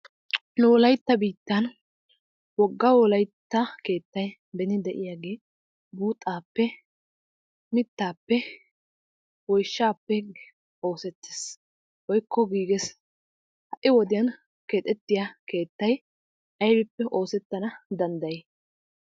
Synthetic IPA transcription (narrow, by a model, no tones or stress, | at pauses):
nʊwɔlɐjt̪ːɐbiːt̪ːɐn | wɔɡːɐwɔlɐjt̪ːɐke̞ːt̪ːɐj | bɛnɪd̪ɛʔɪjaːɡe̞ː | buːt̪ʼːaːpːɛ | mɪt̪ːaːpːɛ | wɔjʃːaːpːɛ | o̞ːsɛt̪ːe̥s | wɔjkʰːɔɡiːɡɛs | hɐʔɪwɔd̪ɪjɐn | keːt̪ʼɛt̪ːɪjake̞ːt̪ːɐj | ʔɐjbɪpːɛʔo̞ːsɛt̪ːɐnɐd̪ɐnd̪ɐje